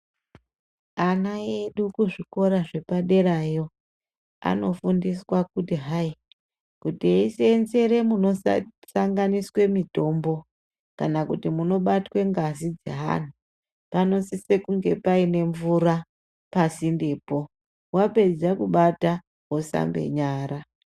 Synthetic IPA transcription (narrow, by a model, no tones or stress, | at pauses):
anaeɗukuʐiko̞ɾaʐe̞paɗe̞ɾajo̞ | a̰no̞fundiswakutiɦai | kutieisenze̞ɾe̞muno̞saŋɡaniswe̞mito̞mbo̞ | kanakutimuno̞ɓatwe̞ŋɡazid͡zḛɦa̰n̤u | pano̞sise̞kuŋɡe̞paine̞ɱvura | pasindeːpo̞ | wape̞d͡zakuɓata | ɦosa̰mbe̞̰ɲaːɾa